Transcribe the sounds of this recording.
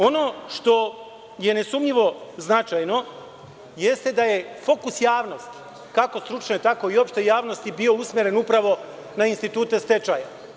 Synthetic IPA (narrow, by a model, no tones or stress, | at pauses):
o̞noʃt̪o̞ | je̞nesumɲiʋo̞znat͡ʃajno̞ | jest̪e̞d̪aje̞fo̞kusjaːʋno̞st̪i̥ | kakost̪ɾut͡ʃnot̪ako̞io̞pʃt̪ejaːʋno̞st̪ibio̞usmʲjeɾe̞nupɾaʋo̞ | nainst̪it̪uːt̪e̞st̪e̞t͡ʃaja